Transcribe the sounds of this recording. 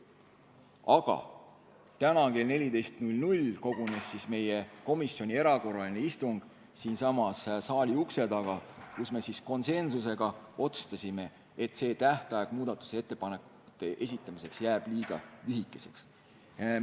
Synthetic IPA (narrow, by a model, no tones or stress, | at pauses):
ɑɡ̥ɑ̰ | t̪ænɑke̞lne̞lʲid̪e̞jst̪nulʲnulʲko̞ɡ̥une̞sːisme̞je̞ko̞misːo̞nʲie̞ɾɑko̞rɑlʲineist̪uŋɡ̥ | siːnsɑmɑssɑːlʲiukse̞d̪t̪ɑɡ̥ɑkusme̞sisko̞nse̞nsuse̞ɡ̥ɑo̞t̪su̥st̪ɑsʲime̞ | et̪ːˑse̞ːt̪æht̪ɑjeɡ̥muːd̪ɑt̪ːˑu̥see̞t̪ːe̞pɑne̞k | u̥t̪ːˑe̞ʔe̞sʲit̪ˑːɑmise̞ksjæːb̥liːɡ̥ɑlyɦikːˑe̞se̞ks